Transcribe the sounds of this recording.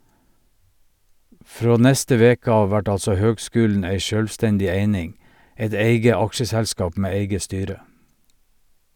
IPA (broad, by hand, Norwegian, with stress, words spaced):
ˈfɹoː ˈnɛstə ˈʋeːkə ˈɑːʋ ˈʋæʈ ˈɑlsɔ ˈhøːɡˌskʉːln̩ ˈæɪ ˈʃøːlʋˌstɛndɪ ˈeɪnɪŋ ˈɛt ˈeɪɡə ˈɑkʃəsɛlˌskɑːp ˈmeː ˈeɪɡə ˈstyːɾə